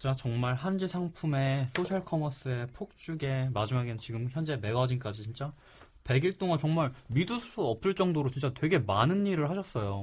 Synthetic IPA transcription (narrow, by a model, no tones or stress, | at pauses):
t͡ɕ͈at͡ɕʌŋmaɭhand͡ʑisʰaŋpʰume̞sʰoɕʰaɭkʰʌmʌs͈ɯe̞pʰok̚t͡ɕ͈uɡe̞mad͡ʑimaɡent͡ɕiɡɯmçjʌnd͡ʑe̞me̞ɡʌd͡ʑink͈ad͡ʑit͡ɕint͡ɕ͈a | pe̞ɡiɭt͈oŋant͡ɕʌŋmaɭmidusʰu̥sʰuʌp̚s͈ɯɭt͡ɕ͈ʌŋdoɾot͡ɕint͡ɕ͈atwe̞ɡe̞manɯnːiɾɯɭhaɕʰʌs͈ʌjo